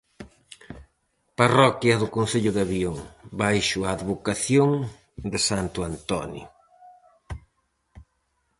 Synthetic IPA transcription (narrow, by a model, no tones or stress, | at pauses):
parɔkjɐðʊkonθeʎʊðaβioŋbajʃʊaːðβokaθjoŋ | d̪ɪsant̪ʊant̪ɔ̰njo̰